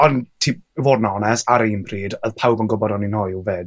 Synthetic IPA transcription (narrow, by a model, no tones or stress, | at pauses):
ɔntʰiːpvoːdnaɔnɛsaɾənbʰriːdəðpʰawbənɡʊbɔɾɔninhɔjveːd